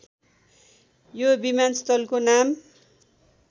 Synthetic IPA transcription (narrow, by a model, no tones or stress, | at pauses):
jobimanst̪ʌlkonam